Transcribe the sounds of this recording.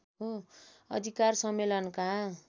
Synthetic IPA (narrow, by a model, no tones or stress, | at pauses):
ɦoʌ̰d̪ʱikarsʌmːelʌnkaɦ